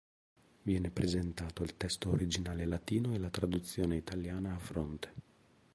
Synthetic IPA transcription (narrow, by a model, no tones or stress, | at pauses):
vjɛːnepɾezent̪aːt̪oilt̪ɛst̪oːɾid͡ʒinaːlelat̪iːnoelat̪ɾad̪ut̪sːjoːneit̪aljaːnaːfɾont̪e̥